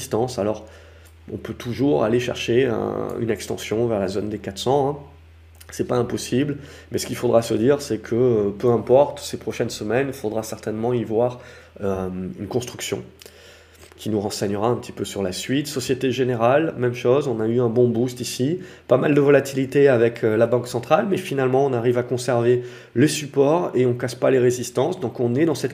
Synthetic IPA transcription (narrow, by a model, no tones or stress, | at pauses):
st̪ɑ̃salɔʁ | ɔ̰̃pøt̪ʰuʒuʁa̰leʃɛ̰ʁʃeə̰̃y̰nɛkst̪ɑ̰̃sjɔ̃vɛʁlazond̪ekat̪sɑ̃ɛ̃ | sɛpaɛ̃pɔsibl | mɛsə̥kilfod̪ʁasəd̪iʁsɛkʰəpøɛ̃pɔʁt̪sepχɔʃɛnsəmɛnifod̪ʁasɛʁt̪ɛnmɑ̃ivwaʁ | ynkɔ̃st̪χyksjɔ̰̃ | kʲʰinuʁɑ̃sɛɲəʁaɛ̃pt̪i̥pøsyʁlasɥit̪sɔsjet̪eʒeneʁalmɛmʃozɔ̃nayɛ̃bɔ̃bust̪isipamald̪əvɔlat̪ʰilit̪eavɛkʰølabɑ̃ksɑ̃t̪χalmɛfinalmɑ̃ɔ̃naʁivakɔ̃sɛʁve | lesypɔʁeɔ̃kaspaleʁezist̪ɑ̃sd̪ɔ̃kɔ̃nɛd̪ɑ̃sɛt̪